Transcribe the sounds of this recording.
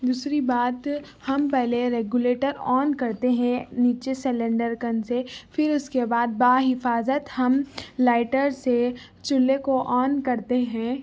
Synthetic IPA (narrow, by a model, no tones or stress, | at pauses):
d̪uːsɾibaːt̪ | hɐmpɛɦleɾeːɡjuleːʈəɾɔːnkɐɾt̪eɦɛ̃niːt͡ʃesɛlə̃ɳɖəɾkɐnsefɪɾʊskebaːd̪̚baːɦɪfaːzət̪hɐmlaːɪʈəɾse | t͡ʃʊlːekoʔɔːnkɐɾt̪eɦɛ̃ː